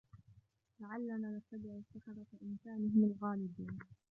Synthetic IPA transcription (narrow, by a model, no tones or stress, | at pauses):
laʕalːanaːnast̪ːab̪ɪʕʊsaxɑɾˤɑt̪aʔɪnkaːnɪhɪmalɣɑːlɪbiːn